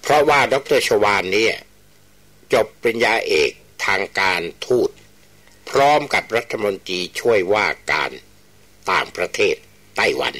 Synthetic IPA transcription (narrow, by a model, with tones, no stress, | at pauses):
pʰɾɔ˦˥waː˥˩dɔ˧˥k̚t̪ɤː˥˩t͡ɕʰoː˧waː˧nːiː˦˥˩ɐ | t͡ɕo˨˩pːɾa˧njaː˧ʔeː˨˩k̚t̪ʰaː˧ŋkaː˧nt̪ʰuː˥˩t̪̚ | pʰɾɔː˦˥mka˨˩p̚ɾa˦˥t̪ʰːa˧mo˧nt̪ɾiː˧t͡ɕʰu˥˩əjwaː˥˩ka̰ː˧n | t̪aː˨˩ŋpɾa˧t̪ʰeː˥˩t̪ː | a˥˩jwa̰˧n